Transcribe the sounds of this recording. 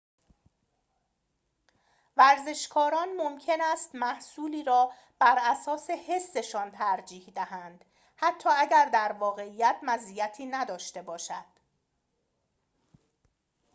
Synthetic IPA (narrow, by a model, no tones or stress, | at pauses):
væɾze̞ʃkʰɒːɾɒːnmomcʰe̞næːst̪mæhsuːliːɾɒː | b̥æɾʔæsɒːse̞he̞sːe̞ʃɒːnt̪ʰæɾd͡ʒiːhd̪æhænd̪̥ | hæt̪ʰːɒːæɟæɾd̪æɾvɒːɣe̞iːjæt̪ʰmæziːjæt̪ʰiːnæd̪ɒːʃt̪e̞bɒːʃæd̪̥